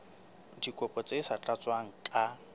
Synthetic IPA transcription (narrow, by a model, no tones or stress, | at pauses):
dikʼɔpʼɔt͡sʼesat͡ɬʼat͡sʼwaŋ̩kʼa